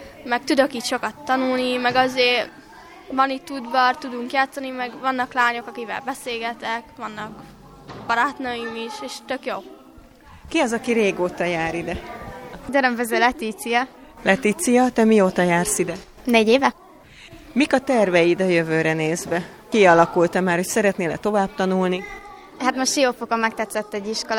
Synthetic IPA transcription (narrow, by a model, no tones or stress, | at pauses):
mɛk̚t̪ud̪ø̞kiːtʃo̞kɒt̪ːɒnulnimɛɡɒzeː | vɒnit̪ːud̪bɒrt̪ud̪uŋkjaːt̪sɒnimɛɡvɒnːɒklaːɲo̞kɒkikʋɛ̰lbɛseːlɡɛt̪ɛkʋɒnːɒk | b̥ɒɾat̪nɒjimiʃeːʃt̪økjoː | kiɒzɒkiɾeːɡoːt̪ɒjaːɾid̪ɛ | ɟɛɾɛɱvɛzøːlɛt̪iːt̪sijɒ | lɛt̪iːt̪sijɒt̪ɛmioːt̪ɒjaːrsid̪ɛ | neːɟeːvɛ | mikɒt̪ɛrvɛjid̪ɒjøvøːɾɛneːzbɛ | kiɒlɒkult̪ɛmaːrho̞csɛɾɛt̪neːlɛ̰t̪o̞vaːb̚t̪ɒnulni | ɦat̪moʃtʃijoːfokɒmɛk̚t̪ɛt̪sɛt̪ːɛɟiʃkol